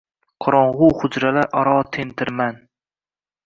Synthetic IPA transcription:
qʰʊɾɒɴʁʊhʊd͡ʒɾalaʔɒɾɒːt̪ʰent̪ʰɪɾman

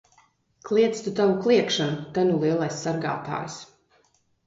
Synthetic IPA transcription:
klˠiɛt̪st̪ut̪avuklˠiɛkʃanut̪anulˠiɛlˠajsːaɾɡa̰ːt̪a̰ːjs

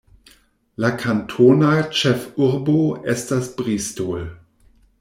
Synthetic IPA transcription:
lakʰantʰoːnat͡ʃɛfʊʁboʔɛstd̥asbʁiːstol

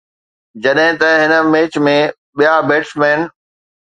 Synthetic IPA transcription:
d͡ʑɐɗɦɪ̃t̪ɐɦɪnə̆meːt͡ɕmẽ | ɓijabeːʈsmɛːn

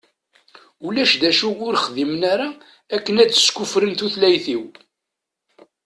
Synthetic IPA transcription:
ulæʃd̪æʃuʊɾχðimnaɾa | ækːənæt͡sːə̥skufɾənt̪uθlæjθiw

